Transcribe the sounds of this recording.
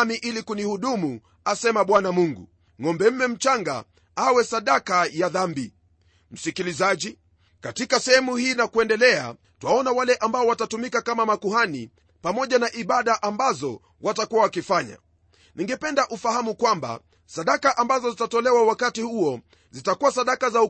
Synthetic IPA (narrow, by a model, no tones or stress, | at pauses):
miʔilikunihuɗumu | asɛmaɓwanamuŋɡṵ | ŋɔmbɛm̩mɛm̩t͡ʃaŋɡa̰ | awɛsaɗakajaðambi | m̩sikilizaʄi | katikasɛhɛmuhiːnakuɛndɛlɛa̰ | tuwaɔnawalɛʔambaɔwatatumikakamamakuhanḭ | pamɔʄanaʔiɓaɗaʔambazɔ | wʔatakuwawakifaɲa̰ | niŋɡɛpɛndaʔufahamukwamba̰ | saɗakaʔambazɔzitatɔlɛwawakatihuɔ | zitakuwasaɗakazau